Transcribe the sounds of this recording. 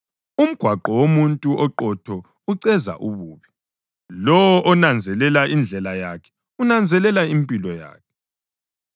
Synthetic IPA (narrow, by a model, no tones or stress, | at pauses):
um̩ɡ̥ʱwaǃɔwomuntʼuʔɔǃɔtʰɔ | uǀɛza̰ʔuβuːβi | lɔwɔʔɔnand͡zʱɛlɛlaʔind͡ɮʱɛlajakʰɛ̥ | unand͡zʱɛlɛlaimpʼilɔja̰ːkʰɛ̥